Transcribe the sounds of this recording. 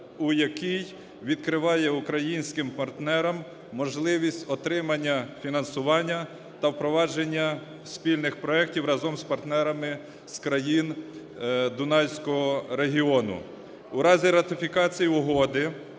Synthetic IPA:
ujɐkʲij | ʋʲid̪̚kɾɪʋɑjɛukɾɐjinʲsʲkɪmpɐrt̪nɛɾɐmː | ɔʒlˠɪʋʲisʲtʲɔt̪ɾɪmɐnʲːɐfʲinɐnsʊʋɑnʲːɐ | t̪ɐwpɾɔʋɑd͡ʒenʲːɐ | spʲilʲnɪxpɾɔɛk̚tʲiwɾɐzɔmspɐrt̪nɛɾɐmɪ | skɾɐjin | d̪ʊnɑjsʲkɔɦɔɾeɦʲiɔnʊ̰ | uɾɑzʲiɾɐt̪ɪfʲikɑt͡sʲijiʊɦɔd̪ɪ

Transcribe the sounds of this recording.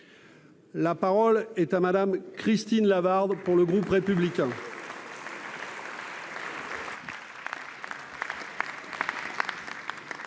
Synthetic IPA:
lapaʁɔlɛt̪amad̪amkχist̪inlavaʁd̪puʁləɡʁupʁepyblikʲɛ̃

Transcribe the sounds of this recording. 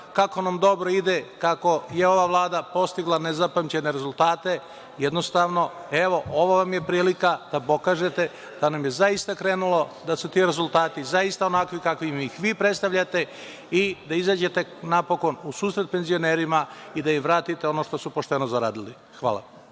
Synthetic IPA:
kako̞namd̪o̞bɾo̞id̪ekako̞jeo̞ʋaʋlˠaːd̪apo̞st̪iɡlˠanezapamt͡ɕe̞ne̞ɾezulˠt̪aːt̪e̞ | jed̪no̞st̪aːʋno̞e̞ʋo̞ʔoʋoʋamje̞pɾiːlikad̪̥apo̞kaːʒe̞t̪e̞ | d̪̥anamjezaist̪akɾeːnulo̞d̪asut̪iɾe̞zulˠt̪aːt̪izaist̪ao̞nakʋikakʋiimixʋiːpɾe̞t̪st̪aʋʎʲat̪e̞ | id̪aizaːd͡ʑe̞t̪e̞napo̞ko̞nusuːsɾet̪̚pe̞nzio̞neːɾimaid̪aimʋɾaːt̪it̪eo̞no̞ʃt̪o̞supo̞ʃt̪e̞nozaɾa̰ːd̪ili | xʋa̰ːla̰

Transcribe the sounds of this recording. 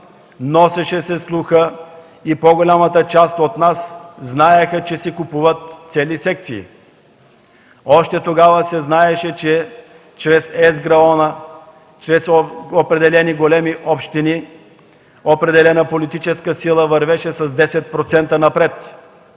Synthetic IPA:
nɔsɛʃɛsɛslˠuxə | ipoɡolʲamət̪ət͡ʃast̪ot̪nasznaɛxət͡ʃɛsɛkupuvət̪t̪sɛlisɛk̚t̪sḭː | ɔʃt̪ɛt̪oɡavəsɛznaɛʃɛt͡ʃɛ | t͡ʃɾɛsɛzɡɾɐɔnə | t͡ʃɾɛsopɾɛd̪ɛlɛniɡolɛmiʔɔpʃt̪ini | opɾɛd̪ɛlɛnəpolit̪it͡ʃɛskəsilˠəvɐɾvɛʃɛsɐzd̪ɛsɛt̪̚pɾot̪sɛnt̪ənɐpɾɛt̪

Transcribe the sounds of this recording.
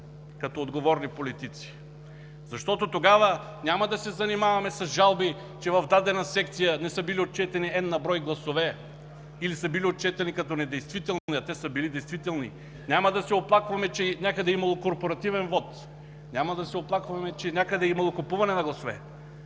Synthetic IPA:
kɐt̪ɔod̪ɡovɔɾnipolit̪it̪si̥ | zɐʃt̪ɔt̪ot̪oɡavənʲamɐd̪ɐsɛzɐnimavɐmɛsɐzʒalˠbi | t͡ʃɛvɐvd̪ad̪ɛnɐsɛk̚t̪sijənɛsɤbiliot̪̚t͡ʃɛt̪ɛniɛd̪nːɐbɾɔjɡlˠɐsovɛ | ilisəbiliot̪̚t͡ʃɛt̪ɛnikɐt̪ɔnɛd̪ɛjst̪vit̪ɛlˠnniɐt̪ɛsəbilid̪ɛjst̪vit̪ɛlˠnḭ | nʲamɐd̪ɐsɛoplˠakvɐmɛt͡ʃɛnʲakəd̪ɛimɐlˠokoɾpoɾɐt̪ivɛnvɔt̪ | nʲamɐd̪ɐsɛoplˠakvɐmɛt͡ʃɛnʲakəd̪ɛimɐlˠokopuvɐnɛnɐɡlˠɐsovɛ̰

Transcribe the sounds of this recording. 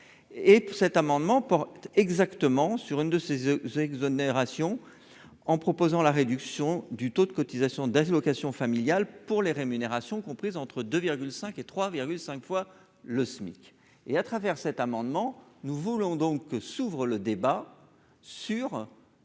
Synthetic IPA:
esɛt̪amɑ̃d̪mɑ̃pɔʁtt̪ɛɡzakt̪əmɑ̃syʁynd̪əsezɛɡzɔneʁasjɔ̃ | ɑ̃pχɔpozɑ̃laʁed̪yksjɔ̃d̪yt̪od̪əkɔt̪izasjɔ̃d̪ɛlɔkasjɔ̃familjalpuʁleʁemyneʁasjɔ̃kɔ̃pχizɑ̃t̪χəd̪øviʁɡʲylsɛ̃ket̪χwaviʁɡʲylsɛ̃kfwa | ləsmḭk | eat̪χavɛʁsɛt̪amɑ̃d̪mɑ̃nuvulɔ̃d̪ɔ̃kːəsuvʁələd̪eba | syʁ

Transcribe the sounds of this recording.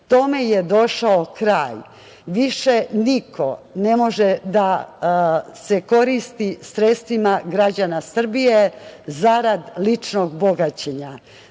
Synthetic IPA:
t̪o̞me̞jed̪o̞ʃaokɾaːj | ʋiʃe̞nikʰone̞mo̞ʒed̪a | se̞ko̞ɾist̪isɾet̪st̪ʋimaɡɾad͡ʑanasr̩bijezaɾad̪lit͡ʃnoɡboɡat͡ɕeɲa

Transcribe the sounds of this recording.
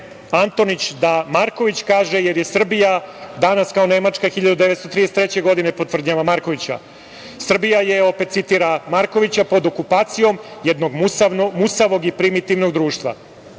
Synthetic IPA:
ant̪o̞nit͡ɕd̪amaɾko̞ʋit͡ɕkaːʒejeɾje̞sr̩bijad̪anaskaone̞mat͡ʂkaxiʎad̪ud̪eʋet̪st̪ot̪ɾid̪eset̪ɾet͡ɕe̞ɡo̞d̪inepo̞t̪ʋr̩d̪ɲaʋamaɾko̞ʋit͡ɕa̰ | sr̩bijaje̞o̞pet̪sit̪iɾamaɾko̞ʋit͡ɕapo̞d̪o̞kupaːt̪sijo̞mjed̪no̞ɡmusanomusaʋo̞ɡipɾimit̪iʋno̞ɡd̪ɾuːʃt̪ʋa̰

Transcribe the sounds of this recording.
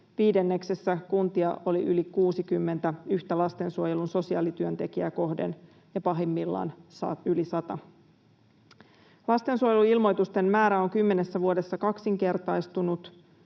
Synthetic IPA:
ʋiːde̞nːe̞kse̞sːækunt̪iɑ̰olḭʔylikuːsikymːe̞nt̪æyçt̪ælɑst̪e̞nsuojelunso̞siɑːlit̪yønt̪e̞k̟iæko̞hdḛn | jɑpɑɦemːilːɑ̰ːnsylisɑt̪ɑ | lɑst̪e̞nsuojeluilmo̞jt̪ust̪e̞mːæːɾæo̞ŋkymːe̞ne̞sːæʋuodesːɑkɑksiŋke̞rt̪ɑjst̪unut̪

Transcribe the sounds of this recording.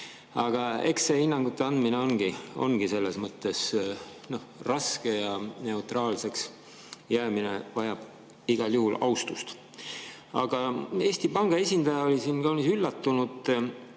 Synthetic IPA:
ɑɡ̥ɑe̞ksehinːɑŋɡ̥ut̪ːˑe̞ɑnd̪mineo̞nɡ̥io̞̰nɡ̥ise̞lːe̞smɤt̪ːe̞sno̞hrɑske̞jɑne̞ut̪rɑːlse̞ks | jæːmine̞vɑjɑb̥ | iɡ̥ɑljuhulɑust̪ust̪ | ɑ̰ɡ̥ɑe̞ːst̪ipɑŋɡ̥ɑe̞sʲind̪̥ɑjɑo̞lʲisinkɑwnisylːɑt̪ːunud̪̥

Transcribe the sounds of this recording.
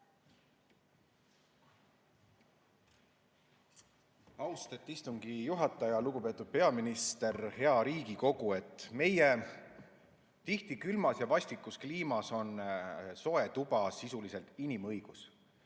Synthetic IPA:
ɑwst̪et̪ːˑist̪uŋɡ̥ijuɦɑt̪ːˑɑjɑluɡ̥upe̞ːt̪ːˑud̪̥̚pe̞ɑminist̪e̞rhe̞ɑɾiːɡ̥iko̞ɡ̥ue̞t̪ːˑme̞je | t̪iht̪ikylmɑsjɑvɑsʲt̪ikːˑuskliːmɑso̞nso̞e̞t̪ub̥ɑsisuliselt̪inimɤjɡ̥us

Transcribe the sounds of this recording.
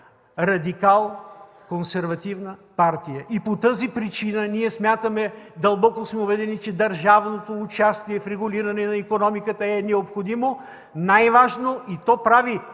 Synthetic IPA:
ɾɐd̪ikalˠ | konsɛɾvɐt̪ivnəpaɾt̪ijəʔipot̪əzipɾit͡ʃinəniɛsmʲjat̪əmɛd̪ɐlˠbɔkosmɛʊbɛd̪ɛnit͡ʃɛd̪ɐɾʒavnot̪oːt͡ʃast̪iɛfɾɛɡʊliɾɐnɛnɐikonɔmikət̪əɛnɛopxod̪imo | najvaʒnoʔit̪ɔpɾavi

